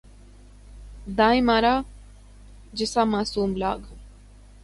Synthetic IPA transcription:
d̪aːimaːɾaː | d͡ʒɪsaːmaːsuːmlaːɡ

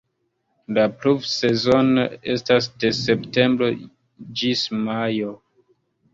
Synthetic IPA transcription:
laplufse̞zo̞ne̞stas̬de̞se̞pte̞mbɾo̞ | d͡ʒismajo

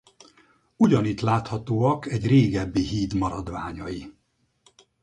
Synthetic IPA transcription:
uɟɒnit̪laːt̪hɒt̪oːɒkɛɟreːɡɛbːiɦiːd̪mɒɾɒd̪ʋaːɲɒji

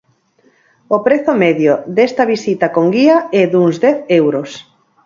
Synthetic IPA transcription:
opɾeθʊmɛðjod̪est̪ɐβisit̪ɐkoŋɡiɐɛðuŋzd̪ɛθewɾʊs

